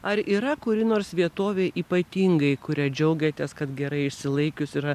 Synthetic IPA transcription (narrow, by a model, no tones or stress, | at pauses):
ɐɾiːɾɐkʊɾʲɪnoːrsʋʲiɛt̪oːʋʲeːʔiːpɐt̪ʲiːŋɡɐɪkʊɾʲæːd͡ʒʲɛʊɡʲɛt̪ʲɛːskɐt̪ɡʲɛɾɐɪɪʃʲsʲɪlˠɐɪkʲʊsiɾɐ